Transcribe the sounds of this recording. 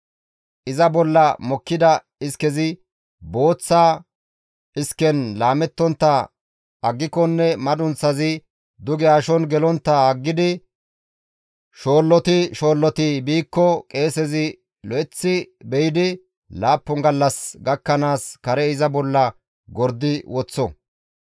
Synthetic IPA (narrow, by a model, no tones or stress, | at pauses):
ʔɪzɐbɔlːɐmɔkːɪd̪ɐ | ɪskɛzɪ | bo̞ːt͡sːaː | ɪskɛnlaːmɛt̪ːɔnt̪ːɐ | ɐɡːɪkɔnːɛmɐd̪ʊnt͡sːɐzɪ | d̪ʊɡɛaːʃɔnɡɛlɔnt̪ːɐɐɡːɪd̪ɪ | ʃo̞ːlːɔt̪ɪʃo̞ːlːɔt̪ɪbiːkːɔkʼe̞ːsɛzɪ | lɔʔɛt͡sːɪbɛjɪd̪ɪ | laːpːɔŋɡɐlːɐsɡɐkːɐnaːskɐɾɛɪzɐbɔlːɐ | ɡɔɾd̪ːɪwɔt͡sːɔ